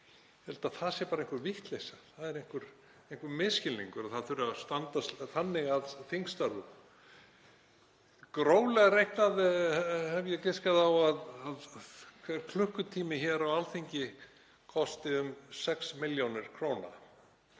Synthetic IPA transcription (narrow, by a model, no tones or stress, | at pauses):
hɛlt̪aθaðsjɛɾpaɾẽŋ̥kʏɾvɪht̪lejsḁθaðɛɾejŋ̥kʏɾ̥ | ejŋ̥kʏɾmɪscɪlːḭŋkʏɾaðθaðθʏɾʏast̪ant̪asθanːɪɣaðθiŋkst̪aɾðʏ̰ | kɾoːwlɛɣaɾejhknaðhɛvjɛcɪskaðawaðaðkʰvɛɾkʰlʏhkʏt̪ʰiːmɪçɛɾawalθiɲcɪ | kʰɔst̪ɪʏmsɛksmɪljownɪɾ̥kʰɾoːwna̰